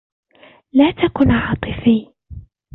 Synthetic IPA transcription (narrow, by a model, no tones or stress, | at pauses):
laːt̪akʊnʕɑːt̪ˤɨfiː